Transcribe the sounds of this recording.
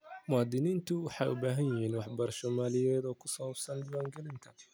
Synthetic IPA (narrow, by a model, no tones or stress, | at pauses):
mʊɑːd̪ɪniːnt̪ʰʊwɑħɑjʊbaːɦɐnjɪɦiːnwɑħbɐrʃɔːmaːlɪjɛːd̪ɔːkʰʊsɔwɐbsɐnd̪ʊwaːŋɡɛlɪnt̪ʰɐ